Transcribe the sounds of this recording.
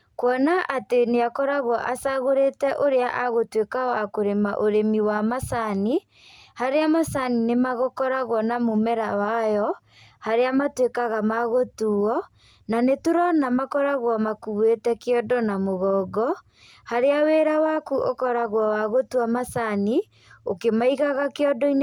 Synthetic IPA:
kwɔnaʔateneakɔɾaɣwɔʔasaɣoɾetɛʔoɾeaʔaɣotwekawakoɾemaʔoɾemiwamasani | haɾeamasaninemaɣokɔɾaɣwɔnamomɛɾawajɔ | haɾeamatwekaɣamaɣotuɔ | nanetoɾɔnamakɔɾaɣwamakuetɛkeɔdɔnamoɣɔːɡɔ | haɾeaweɾawakuʔokɔɾaɣwawaɣotwamasani | okemaiɣaɣakeɔdɔin

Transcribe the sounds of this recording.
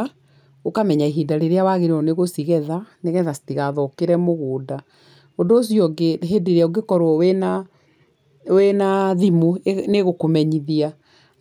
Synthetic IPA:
okamɛɲaiɦidaɾeɾeawaɣeɾeɔneɣosiɣɛðaneɣɛðastiɣaðɔkeɾɛmoɣoːda | ondoːsjɔɡeɦedeɾeaoɡekɔɾwɔwɛna | wenaðimoneɣokomɛɲiðia

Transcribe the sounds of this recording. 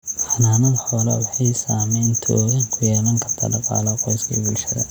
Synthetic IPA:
ħɑnaːmɐðħɔːlɐwɑħɑjsaːmɛjnt̪ʰɔ̰ːɣaːŋkʰʊjɛːlɐŋkʰɐrt̪ʰa̰ːɖɑqɑ̰ːlɐqɔjskʰḭːbʊlʃɐðɐ̰

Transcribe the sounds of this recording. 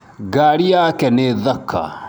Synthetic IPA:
ɡaːɽijakɛneðɐkʰːa̰

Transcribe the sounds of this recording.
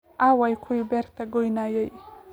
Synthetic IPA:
awajkʰuibeɾt̪aɡojnajəj

